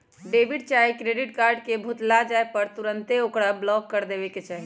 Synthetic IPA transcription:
ɖebʱiɖ̚t͡ʃaikɾeɖiʈkaɾɖkebʱut̪lad͡ʒaepəɾt̪uɾənt̪eokɽablɔkːəɾd̪ebeket͡ʃaɦi

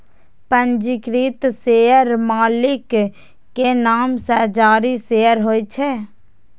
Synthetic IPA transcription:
pənd͡ʒɪkɾit̪seːəɾmaːlɪkː | enaːmsɛːd͡ʒaːɾiseːəɾɦoːit͡ʃʰɛː

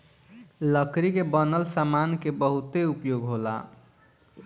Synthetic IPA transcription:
ləkɾikebənəlsamankebəɦut̪eupjoɡɦola̰

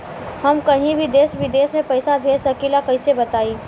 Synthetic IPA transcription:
hɐmkɐɦĩbʱid̪eːsʋɪd̪eːsmẽpɐɪsabʱeːsɐkilakɐɪsebɐt̪aːiː

